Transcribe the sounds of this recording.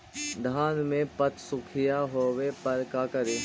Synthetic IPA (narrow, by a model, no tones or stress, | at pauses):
d̪ʱaːnmẽpɐt̪ʰsʊkʰɪjaɦoːwepɐɾkaːkəɾeː